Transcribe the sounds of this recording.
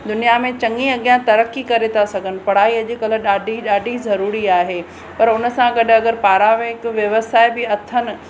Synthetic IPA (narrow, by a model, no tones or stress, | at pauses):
d̪ʊnijamẽt͡ɕɐ̃ŋɡiɐɠijãt̪ɐɾəkikɐɾet̪ʰasɐɡʱənɪ̆pɐɽ̤aːiɐʄɪkɐləɗaːɖʱiɗaːɖʱizɐɾuːɾiaːɦeː | pɐɾʊnə̆sãɡɐɗʱʊɐɡəɾpaːɾamẽɦɪkʋjɐʋəsaːɪbɪɐt̪ʰənɪ̆